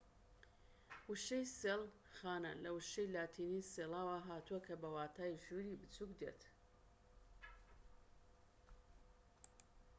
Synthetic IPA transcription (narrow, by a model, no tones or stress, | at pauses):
wɨʃejseːlˠ | xaːnɐ̰lɐwuʃejlaːt̪ʰiːniseːlaːwaɦaːt̪uɐkʰɐbɐwaːt̪ʰaːʒuniːbɨt͡sukd̪ḛt̪